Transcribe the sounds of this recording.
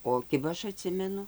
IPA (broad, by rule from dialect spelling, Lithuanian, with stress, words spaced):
oː ˈkʲɪbɐ ˈɐʃ ɐˈtʲsʲɪmʲɛnʊ